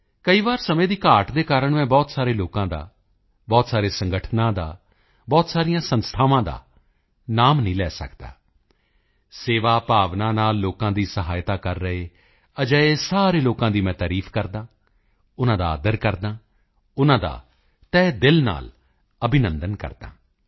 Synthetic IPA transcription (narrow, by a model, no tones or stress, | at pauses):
kəiːʋaːɾsəmẽːd̪iːkaːʈd̪eːkaːɾəɳmɛ̃ːbɔːt̪saːɾeːloːkãːd̪a̰ː | bɔːt̪saːɾeːsə̃ŋɡəʈʰnãːd̪a̰ː | bɔːt̪saːɾɪjãːsənst̪ʰaːʋãːd̪a̰ː | naːmnĩːlɛːsə̰kd̪a̰ː | seːʋaːpaːʋnãːnaːlːoːkãːd̪iːsəɦaːjt̪aːkəɾːəeː | əd͡ʒəeːsaːɾeːloːkãːd̪iːmɛ̃ːt̪aːɾiːfʰkəɾd̪ãː | ʊnãːd̪a̰ːd̪əɾkəɾd̪ãː | ʊnãːd̪a̰ː | t̪ɛːd̪ɪlna̰ːl | əbɪnənd̪ənkə̰ɾd̪ã̰ː